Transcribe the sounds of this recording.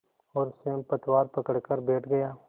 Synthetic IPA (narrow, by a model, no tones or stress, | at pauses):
ɔːɾsempɐt̪waːɾpɐkəɽkəɾbɛːʈʰɡɐjaː